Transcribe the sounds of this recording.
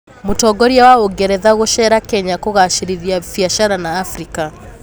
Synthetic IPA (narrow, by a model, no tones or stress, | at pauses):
motɔɡɔɾiawaoɡɛɾɛðaɣoʃɛɾakɛɲakoɣaʃiɾiðiafiaʃaɾanaːfɾika